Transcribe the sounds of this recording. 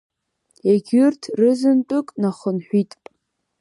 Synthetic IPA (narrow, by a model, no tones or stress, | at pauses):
eɡʲʏrtʰrɨzɨntʼʊkʼnaχʊnħʷᶣitʼpʼ